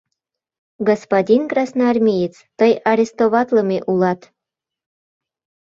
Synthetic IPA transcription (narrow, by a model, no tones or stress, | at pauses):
ɡospadʲinkrɑsnɑɑrmʲijit͡s | t̪əjɑɾʲest̪oβɑt̪ləmʲeʔulɑt̪